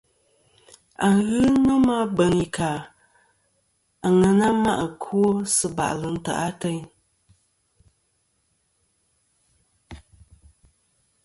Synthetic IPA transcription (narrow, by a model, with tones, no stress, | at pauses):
a˨ŋ˨ɣɨ˦nɔ˦ma˦bə˨ŋi˨ka˨ | a˨ŋə˨na˦ma̰˦ʔkʰwo˦sɨ˦ba̰˨ʔlɨ˨n̩˦ta̰˨ʔa˦tə˦ɲ